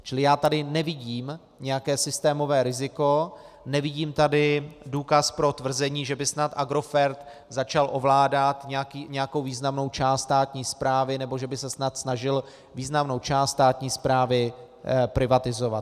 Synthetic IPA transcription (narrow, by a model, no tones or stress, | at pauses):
t͡ʃɪlɪjaːt̪adɪnɛvɪɟiːm | ɲɛjakɛːsɪst̪ɛːmo̞vɛːɾɪzɪko | nɛvɪɟiːmt̪adɪduːkaspɾo̞t̪vr̩zɛɲiːʒɛbɪsnat̪ʔaɡɾo̞fɛɾt̪zat͡ʃalʔo̞vlaːdat̪ɲɛjakiːɲɛjako̞wviːznamno̞wt͡ʃaːst̪t̪aːt̪ɲiːspɾaːvɪnɛbo̞ʒɛbɪsɛsnat̪snaʒɪl | viːznamno̞wt͡ʃaːst̪t̪aːt̪ɲiːspɾaːvɪ | pɾɪvat̪ɪzo̞vat̪